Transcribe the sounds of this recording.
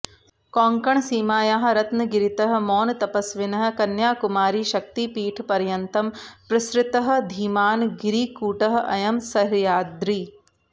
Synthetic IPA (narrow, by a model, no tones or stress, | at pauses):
kɔːŋkɐɳsiːmaːjaːɦɐ̆ɾɐt̪nɐɡɪɾit̪ɐɦɐ̆mɔːnt̪ɐpɐsʋɪnɐɦɐ̆kɐnjaːkumaːɾiʃɐk̚t̪ipiːʈʰpɐɾjɐnt̪ɐmpɾɐʃɾɪt̪ɐɦɐ̆d̪ʱiːmaːnɡiɾiːkuːʈɐɦ̆ʔɐ̰jɐmsɐɾjaːd̪ɾiː